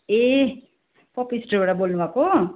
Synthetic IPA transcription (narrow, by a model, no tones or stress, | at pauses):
e | pʌpisʈʌbaɽabolnubʱako